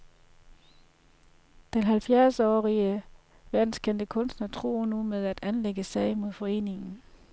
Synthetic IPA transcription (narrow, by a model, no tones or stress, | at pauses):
d̥enɦælfjæɐsɒ̰ːʁiə | ʋæɐ̰d̥n̩skʰen̰d̥əkʰɔ̽nsd̥nɐt͡sʰʁo̝̰ːnumeð̞ˠæd̥ænleɡ̥əsɛ̰ɪ̰mo̝ð̞ˠfɒ̽e̝̰ːne̝ŋn̩